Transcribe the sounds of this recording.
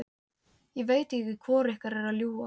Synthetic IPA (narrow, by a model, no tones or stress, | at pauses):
jɛɣveːjt̪ɛkɪ̥kʰvɔːɾɛhkaɾɛɾaðljuːa